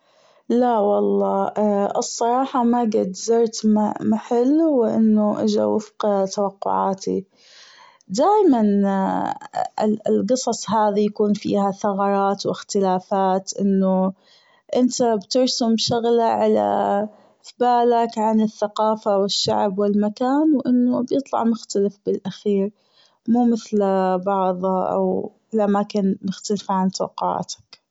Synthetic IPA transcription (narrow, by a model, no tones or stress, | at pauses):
lawɑlˤːɑːʔɨsˤːɑɾˤɑːħɑmaɡɪd̪zɑɾˤt̪mmaħɪlːwɪʔɪ̰nːʊʔɪ̰d͡ʒa̰wɪfqt̪awaqːʊ̰ʕa̰ːt̪ḭ | d̪aːjman | lɡɨsˤɑsˤɦaːðijakuːnfḭːhaθɑɣɑɾˤɑːt̪wɪxt̪ɪlaːfaːt̪ʔɪnːʊ | ʔɪnt̪abt̪ɪɾsʊmʃaɣlaʕala̰ | θbaːlakʕanɪθːaqɑːfawɪʃːa̰ʕbwɪlmakaːnwʔɪnːʊbjɨt̪ˤlɑ̰ʕmʊxt̪alɪfbɪlʔaxiːɾ | muːmɪθlbɑʕðˤɑʔa̰w | ɪlʔamaːkɪnmɪxt̪alfʕant̪ˤɑ̰ːqɑ̰ːt̪ḁk